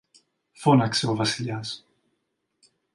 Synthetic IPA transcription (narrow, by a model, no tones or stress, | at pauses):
fonɐkseovɐsilʎɐs